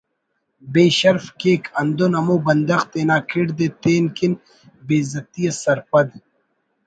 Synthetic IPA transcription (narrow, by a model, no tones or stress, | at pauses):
beːɕɐɾfkeːkʰɐnd̪onɐmoːbɐnd̪ɐxt̪eːnaːkʰiɽd̪eːt̪eːnkin | beːzɐt̪ijɐsɐɾpɐd̪